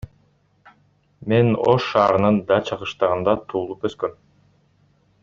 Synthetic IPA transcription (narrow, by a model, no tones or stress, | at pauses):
me̞no̰ʃːɑːɾɯnɯnd̪ɑt͡ʃʰɑʁɯʃt̪ɑʁɯnd̪ɑt̪ʰuːlˠupøskøm